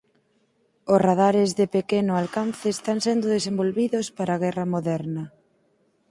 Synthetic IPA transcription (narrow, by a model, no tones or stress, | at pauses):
ʊsraðaɾɪzðɪpekenʊalkanθeːst̪aŋsɛnd̪ʊðesembolβiðʊspaɾaɣ̞ɛrɐmoðɛɾnɐ